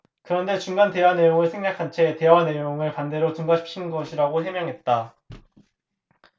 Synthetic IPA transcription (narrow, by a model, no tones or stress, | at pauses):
kɯɾʌnde̞t͡ɕuŋɡante̞wane̞joŋɯɭsʰeŋɲakʰant͡ɕʰe̞te̞wane̞joŋɯɭpande̞ɾot͡ɕuŋɡaɕʰip̚ɕ͈ʰinɡʌɕʰiɾaɡosemjʌŋɦe̞t̚t͈a